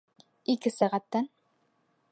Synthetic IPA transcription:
ikɘsæʁæt̪ːæn

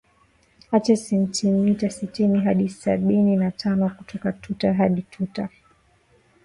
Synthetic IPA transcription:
at͡ʃɛsɛntimitasitiniɦaɗisaɓininatʰanɔkutʰɔkatʰutaɦaɗitʰuta

